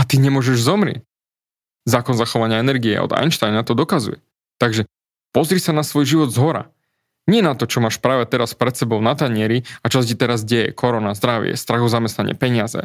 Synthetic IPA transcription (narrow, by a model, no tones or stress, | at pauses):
at̪iɲɛmʊɔʒɛʒzɔmɾɪɛ̰c | zaːkɔnzaxɔʋaɲɪaɛnɛɾɡiɛ̰ɔ̰d̪a̰jnʃt̪ajnat̪ɔd̪ɔkazṵjɛ̰ | t̪aɡʒɛ | pɔzɾisanasʋɔjʒiʋɔd̪zɦɔɾa̰ | ɲɪɛnat̪ɔt͡ʃɔmaːʃpɾaːʋɛt̪ɛɾaspɾɛt̪sɛbɔʊnat̪aɲɪɛɾiat͡ʃɔscit̪ɛɾazɟɛjɛ̰kʰɔɾɔnazd̪ɾaʋɪɛ̰st̪ɾaɣɔzamɛst̪naɲɪ̰ɛ̰pɛɲɪazɛ̰